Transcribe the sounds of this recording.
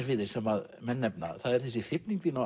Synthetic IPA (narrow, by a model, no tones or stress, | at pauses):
ɾvɪðɪ̥sɛmaðmɛnːɛpna̰θaðɛɾ̥θɛsɪ̥fɪpniŋkθina